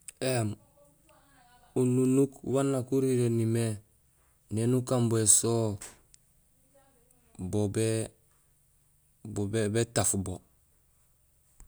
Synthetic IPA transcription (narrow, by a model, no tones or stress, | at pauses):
em | ununukwanːakuɾiɾenime | nenukamboeso | bobe | bobebetafbo